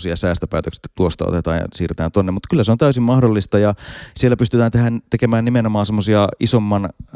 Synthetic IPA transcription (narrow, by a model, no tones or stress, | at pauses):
siɑsæːst̪øpæːt̪øksi̥t̪ːæt̪uost̪ɑ̰o̰t̪et̪ɑ̰ːnjɑ̰siːret̪æːnt̪onːemut̪kylːæseont̪æysimmɑhdolːist̪ɑjɑsielːæpyst̪yt̪æːnt̪ehænt̪ekemæːnimenomɑːnsemːosiɑisomːɑn